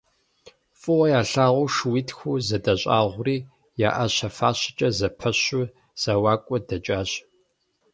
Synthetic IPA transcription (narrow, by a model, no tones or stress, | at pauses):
fʼʊwɐjaːɬaːʁʷʊʂwitʰxʷuːzɐdɐɕʼa̰ːʁʷʊriː | ja̰ːʔɐɕɐfaːɕɪ̥t͡ʃʼɐzɐpʰɐɕu | z̥ɐwaːkʷʼɔdɐt͡ʃʼaːɕ